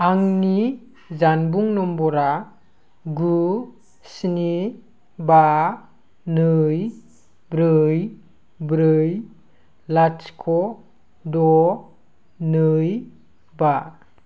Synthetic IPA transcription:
aŋni | zanbuŋnɔmbɔɾa | ɡu | sni | ba | nɯj | bɾɯj | bɾɯj | lat͡ʃkʰɔ | dɔ | nɯj | ba

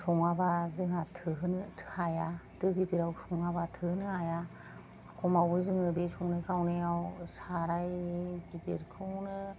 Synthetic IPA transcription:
sɔŋabazɯŋatʰɯɦɯnɯajatɯɡidiɾawsɔŋaβatʰɯnɯaja | kʰɔmawbɯzɯŋɯbesɔŋnɯjkʰawnɯjawsaɾajɡidḭɾkʰɯwnɯ

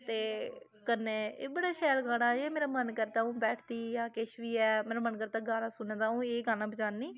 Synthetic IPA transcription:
t̪eː | kənːẽːeːbəɽaːʃɛːlɡãːɽãːɛːmeːɾaːmənkəɾt̪aːũːbɛːʈʰd̪iːjãːkeʃʋiːɛːmeːɾaːmənkəɾt̪aːɡaːnãːsʊnaːt̪ãːũːeːɡaːnãːbəd͡ʒaːnːiː

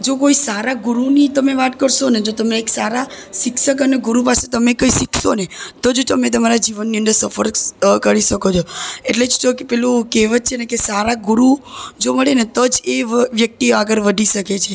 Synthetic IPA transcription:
d͡ʒokoisaɾaɡuɾunit̪əmeʋat̪kəɾʃoned͡ʒot̪əmeːksaɾasɪkʃək̬əneɡuɾupaset̪əmekəisikʰsonet̪od͡ʒt̪əmet̪̬əmaɾad͡ʒiʋənːiənd̪əɾsəfəɾkəɾiʃəkot͡ʃʰoeʈled͡ʒt̪okepɛlukeʋət͡ʃt͡ʃʰenekesaɾaɡuɾud͡ʒoməɭenet̪əd͡ʒeʋjək̚t̪iaɡəɾʋəd̪ʱiʃəket͡ʃʰe

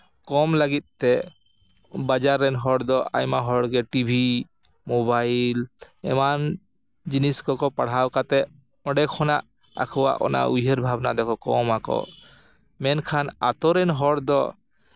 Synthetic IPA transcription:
kɔmləɡit̪̚ˀt̪ɛ | bad͡ʒaɾːɛnɦɔɽd̪ɔʔa̰jmaɦɔɽɡɛʈibʱi | mobajil | ɛ̰man | d͡ʒiniskɔkɔpaɽ̤awkat̪ɛ | ɔ̃ɖɛkʰɔnaʔ | a̰kʰɔwa̰ʔɔ̰na̰uɦəɾbʱabnad̪ɛkɔkɔmakɔ̰ | mɛnkʰana̰t̪ɔɾɛnɦɔɽd̪ɔ

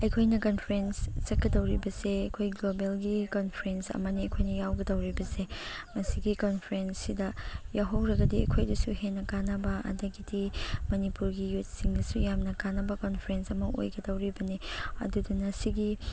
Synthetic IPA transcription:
ɐjkʰojnɐkɐnpʰɾenst͡ʃɐkːɐdɐwɾibɐseɐjkʰojɡlobelɡikonpʰɐɾensɐ̰mɐniɐjkʰojnɐjawɡɐdɐwɾibɐsemɐsiɡikonpʰɾensːidɐjaɦɐwɾɐɡɐdiɐ̰jkʰojdɐsuɦenɐkanɐbɐɐ̰dɐɡidimɐnipuɾɡijut̚siŋdɐsujamnɐkanɐbɐkonpʰɐɾensɐmɐo̰jɡɐdɐwɾibɐniɐ̰dudunɐsiɡi

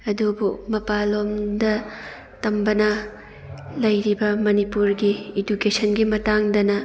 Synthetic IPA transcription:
ɐdubumɐpalomdɐ | tɐmbɐnɐ | lɐjɾibɐmɐnipuɾɡiedukesɐnɡimɐtaŋdɐnɐ

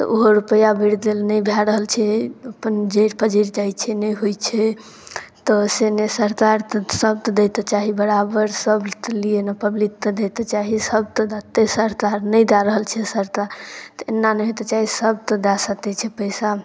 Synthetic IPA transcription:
t̪ɔ̰ʔoɦoɾupəjabʱiɽd̪elnəjbʱɛɾəɦəlt͡ʃʰɛəpənd͡ʒeɾpəd͡ʒiɾd͡ʒajt͡ʃʰɛnəjɦojt͡ʃʰɛ | t̪ɔsenesəɾt̪aɾt̪ɔsəb̚t̪ɔd̪et̪et͡ʃaɦibəɾabəɾsəbt̪lienapəblik̚t̪əd̪et̪et͡ʃaɦisəb̚t̪ɔd̪at̪ːesəɾt̪aɾnəjd̪aɾəɦəlt͡ʃʰɛsəɾt̪aɾt̪ɔenːanəɛjɦot̪et͡ʃaɦisəb̚t̪ɔd̪asət̪ɛt͡ʃʰɛpəjsa

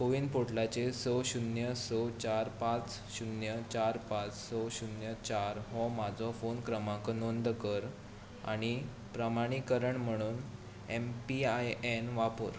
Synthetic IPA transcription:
koʋiːnpoʈlat͡ɕesəwɕunjəsəwt͡ɕaɾpãt͡s | ɕunjət͡ɕaɾpãt͡ssəwɕunjət͡ɕaɾɦɔmad͡zʱɔfonkɾəmãkɔnond̪kəɾ | a̰ɽ̃i | pɾəmaɽ̃ikəɾəɳm̤əɽ̃uːn | empiajenʋapoɾ

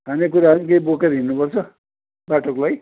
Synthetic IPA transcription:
ɦanekuɾaukeibokʌrɦinːupʌrt͡sʰʌ | baʈʰoklaj

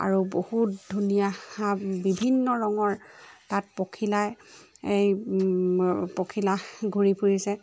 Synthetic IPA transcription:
a̰ɹubohut̚dʱunijaabibʱinːɔɹɔŋɔɹtat̚pokʰilajej | pokʰilaɡʱuɹipʰuɹisɛ

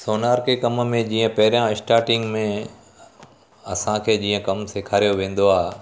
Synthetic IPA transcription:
soːnaːɾkʰekɐmmẽd͡ʑiːə̃pɐɦɪɾjãɪsʈaːɾʈɪ̃ŋɡmẽ | ɐsãkʰeːd͡ʑiːə̃kɐmseːkʰaːɾijoʋẽːn̆d̪oaːɦ

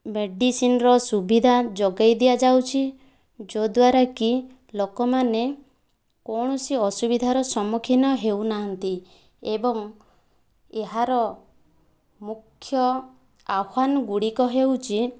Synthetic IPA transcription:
meɖisinɔɾɔsubid̪ʱad͡ʒɔɡajd̪iad͡ʒawt͡ʃʰi | d͡ʒod̪waɾaki | lokɔmane | kowɳ̃ɔsiɔsubid̪ʱaɾɔsɔmukʰinɔɦewnaɦɔnt̪i | ebɔŋ | eɦaɾɔ | mukʰːjɔ | aanɔɡuɽikɔɦewt͡ʃʰi

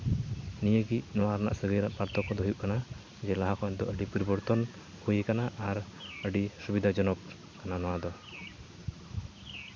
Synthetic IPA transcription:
nijəɡinɔwaɾna̰ʔsəɡəjɾa̰ʔpaɾt̪ʰɔkːɔd̪ɔɦijuʔkana | d͡ʒɛlaɦakʰɔɔnd̪ɔʔəɖipɔɾibɔɾt̪ɔn | hujkanaʔaɾəɖisubid̪ʱad͡ʒɔnɔk̚ | kananɔwãd̪ɔ

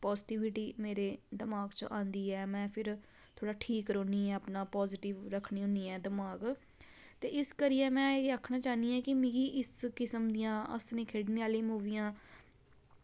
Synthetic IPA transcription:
pɔːzʈiːʋɪʈiːmeːɾeːd̪ɪmaːɡt͡ʃʔã̰ːnd̪iːɛːmɛ̃ːpʰɪɾ | t̪ʰoːɽaːʈʰiːkɾõːniːɛːəpnaːpɔːzɪʈɪʋɾəkʰːniːɦʊ̃niːɛːd̪ɪmaːɡ | t̪eːʔɪskəɾiːɛːmɛ̃ːəkʰnaːt͡ʃaːnd̪iːɛːkɪmɪ̃ɡiːʔɪskɪsəmd̪iːãːʔə̰snĩːkʰeːɽnĩːaːliːmɦoːʋijãː

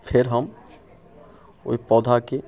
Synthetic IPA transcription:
pʰɪɾɦəm | o̰ipɔd̪ʱake

